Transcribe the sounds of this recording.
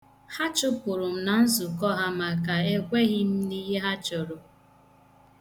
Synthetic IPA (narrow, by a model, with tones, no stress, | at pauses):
ha˦t͡ʃʊ˦pʊ˨ɾʊ˨m̩˨na˨n̩˦zʊ˨kɔ˦ɦa˦ma˨ka˨e˦kʷe˦ɣɪ˦m̩˦ni˦ɦe˦ɦa˦t͡ʃʊ˨ɾʊ˨